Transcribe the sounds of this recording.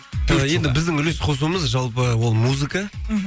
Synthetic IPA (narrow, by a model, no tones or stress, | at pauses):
je̞nd̪ɪbɪzd̪ɪŋʏlesqʰo̞s̬uwəməzʒɑlˠp̬əwo̞lˠmuzɨka